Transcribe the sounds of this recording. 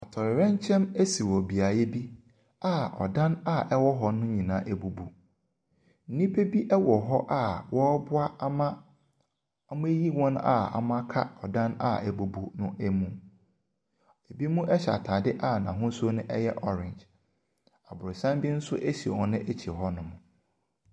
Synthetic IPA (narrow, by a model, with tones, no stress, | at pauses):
a˨tʰɔ˨ɾɪ˨ɾɛ̃˦n˦t͡ɕʰɛ̃˦me˦si˨wɔ˨bi˨a˨jɛ˦bi˦ | a˦˨ɔ̰˨dã˦na˦˨ʔɛ˦wɔ˦ɦɔ˦nʊ̃˦ɲĩ˨nãː˦ʔɛ˨bu˨bu˨ | n̩˨nĩ˦pʰe˦bi˦ʔɛ˦wɔ˨ɦɔ˦ʔa˦wɔ˦bʊ˦a˦a˦mã˦ | a˦mʊ̃˦e˦ji˦wɔ̃˦n˦a̰˦˨a̰˨mã˦kʰa˦ɔ˨dã˦na̰˦˨ʔɛ˨bu˨bu˦nʊ̃˦ʔæ˦mũ˦ | e˨bi˦mũ˦ʔɛ˦ɕa̰˨tʰaː˨dɪ˦ʔa˦˨nã̰˨ɦʊ̃˦so˦nʊ̃˦ʔɛ˦jɛ˦ʔɔ˦ɾɪ̃˨ɲd͡ʒ | a˨bʊ˨sã˦m˦bi˦n̩˦sʊ˦ʔe˦ɕi˨e˨wɔ̃˦nʊ̃˦ʔɛ˦t͡ɕʰi˨ɦɔ˦nʊ̃˦mʊ̃˨